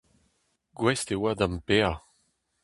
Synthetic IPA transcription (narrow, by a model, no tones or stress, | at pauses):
ɡwɛst̪ewad̪ãmpe